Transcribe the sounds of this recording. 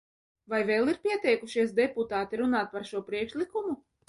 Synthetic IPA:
vajvɛːlˠiɾpʲiɛt̪ʲɛjkuʃiɛs̬d̪ɛput̪aːt̪iɾunaːt̪̚paɾʃuɔpɾiɛkʃlʲˠikumu

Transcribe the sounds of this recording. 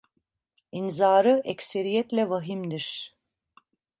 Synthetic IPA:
inzaːɾɯʔɛcseɾijɛt̪lʲɛvaɦimd̪iɾ̥

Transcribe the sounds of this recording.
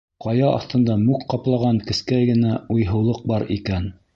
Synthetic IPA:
qɑjɑɑ̰θt̪ɤ̆nd̪ɑmʉkqɑplˠɑʁɑŋkɘ̆skæjɡɘ̆næujɦɤ̆wlˠɤq̚bɑɾikæn

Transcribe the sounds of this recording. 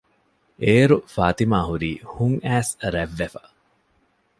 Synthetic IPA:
eːɾufaːt̪imaːɦuɾiːhuŋæːsɾæʋːefɐ̥

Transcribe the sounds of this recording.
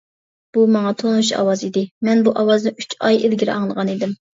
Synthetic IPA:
b̥umɑŋɑt̪ʰonuʃɑ̰wɑzid̪ɪmɛnbuʔɑwɑznɪyt͡ʃʰɑjelɡʲiɾɪʔɑŋlˠʁɑnid̪ɪm

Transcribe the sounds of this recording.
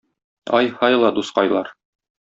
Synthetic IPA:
ɒjhɑjlˠɑd̪usqɑjlˠɑɾ

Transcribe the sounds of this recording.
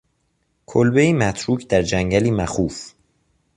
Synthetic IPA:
kʰolbeiːmæt̪ʰɾuːcʰd̪æɾd͡ʒæŋɟæliːmæxuːf

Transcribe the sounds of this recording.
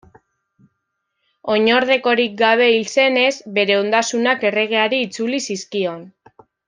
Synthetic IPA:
o̞ɲo̞ɾð̞e̞ko̞ɾik̚ɡaβ̞e̞ilse̞ne̞zbe̞ɾe̞o̞nd̪asunake̞re̞ɣ̞e̞aɾiːt͡sulisiskio̞n

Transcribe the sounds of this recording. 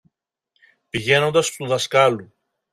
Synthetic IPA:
piʝe̞no̞nd̪ɐst̪uðɐskɐlu

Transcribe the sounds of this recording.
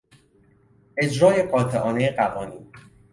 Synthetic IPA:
ʔe̞d͡ʒɾɒːje̞ɢɒːt̪ʰeʔɒːne̞jeɢævɒːniːn

